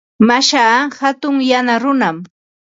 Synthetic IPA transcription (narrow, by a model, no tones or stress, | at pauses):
maʃaːhat̪ʊŋjanaɾʊnam